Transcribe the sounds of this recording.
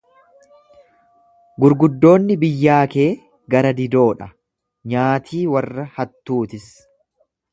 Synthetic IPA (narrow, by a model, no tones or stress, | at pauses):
ɡʊɾɡʊd̪ːo̞ːnːɪbɪjːaːke̞ː | ɡɐɾɐd̪ɪd̪o̞ːᶑɐ | ɲaːt̪ʰiːwɐrːɐhɐt̪ːuːt̪ɪs